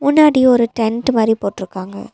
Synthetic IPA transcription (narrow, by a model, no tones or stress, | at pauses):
mʊnːaːɽiɔɾɯʈɛɳʈmaːd̪ɾipoːʈːɪɾɯkːaːŋɡɐ̰